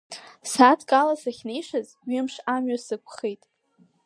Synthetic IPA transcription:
satʰkʼalasaχʲnejʂaz | ɥɪmʂamɥasɨkʷʰʼχejtʼ

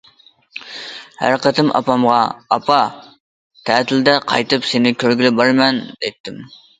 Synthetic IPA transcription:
hæ̰ɾqət̪ʰɪmʔɑ̰pɑmʁɑɑpʰɑ | t̪ʰɛt̪ʰɪld̪ɛqʰɑ̰jt̪ɨpsenɪkʲʰøɾɡʲilɪbɑɾmɛnd̪̥ɛjt̪ːɪm

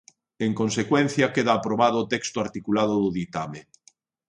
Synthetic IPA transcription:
eŋkonsekwen̟θjakeðaːpɾoβað̞ʊːt̪ɛkst̪ʊaɾt̪ikulað̞ʊðʊðit̪ame

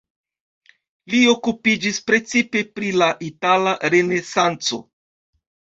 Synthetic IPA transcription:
lio̞kupid͡ʒispɾe̞t͡sipe̞pɾilaʔitalaɾe̞ne̞sant͡so̞̰

